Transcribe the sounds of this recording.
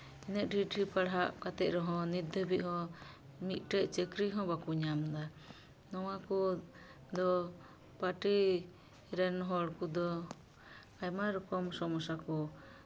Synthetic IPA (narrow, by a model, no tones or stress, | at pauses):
inɛʔ̪̚ɖiʈipaɽɦaʔkat̪ɛʔɾɔɦɔ̃nid̪ʱəbiʔhɔ̃ | mit̪̚ˀʈɛʔt͡ʃɛkɾiɦɔ̃bakuɲamd̪a | nɔwakɔ | d̪ɔ | paʈi | ɾɛnɦɔɽkud̪ɔ | ajmaɾɔkɔmsɔmɔsakɔ